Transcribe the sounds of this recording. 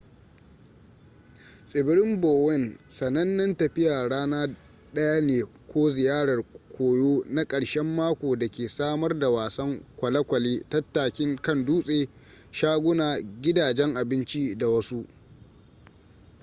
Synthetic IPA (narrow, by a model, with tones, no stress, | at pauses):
sʼɪ˨bɪ˦ɽɪ˦mboː˨wɛ˦˨nsɐ˨nɐ˦nːɐ˦ntɐ˨ɸɪ˦jaː˨ɽaː˦naː˦ | ɗɐ˦ja˦neː˨kʷoː˦zɪ˨jaː˦ɽɐ˨rkʷʰoː˨joː˦na˦kʼɐ˨ɽʃɛ˦mːaː˦kʷoː˨dɐ˨kʲeː˨saː˦mɐ˦rda˨waː˨sɐ˦ŋkʷɐ˨lɐ˦kʷɐ˨leː˦tɐ˦tːaː˨kʲɪ˦ŋkɐ˦nduː˦sʼeː˨ | ʃaː˦ɡʷʊ˦naː˨ɡʲɪ˦daː˨d͡ʒɛ˦ŋʔa˨bɪ˦nt͡ʃi˦da˨wɐ˦su˦ʔ